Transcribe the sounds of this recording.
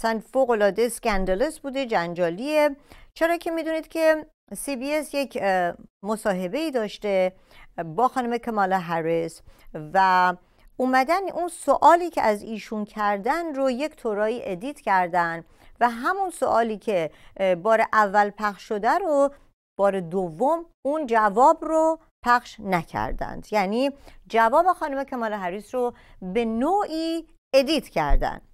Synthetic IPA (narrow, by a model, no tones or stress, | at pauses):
sænfoɣo̞lɒːd̪ejeskænd̪elesbuːd̪e̞d͡ʒænd͡ʒɒːliet͡ʃʰe̞ɾɒːcʰe̞miːd̪uniːd̪̥cʲʰe̞ | sibiːesjecʰmosɒːɦe̞be̞iːd̪ɒːʃt̪e̞ | bɒːxɒːnumekʰemɒːlɒɦæɾesvæ | uːmæd̪ænunsoʔɒːliːcʰḛʔæziːʃuncʰæɾd̪ænrojecʰt̪ʰoɾɒːiːʔed̪iːt̪ʰcʰæɾd̪ænd̪ | væɦæmunso̰ʔɒːliːcʰebɒːɾeʔævːælpʰæχʃːod̪æɾo | b̥ɒːɾed̪ovːom | und͡ʒævɒːbro | pʰæxʃnæcʰæ̰ɾd̪æ̰nd̪̥jæniːd͡ʒævɒːbexɒːnumekʰæmɒːleɦæɾisro | be̞noːʔiː | ed̪iːt̪ʰcʰæɾd̪æ̰n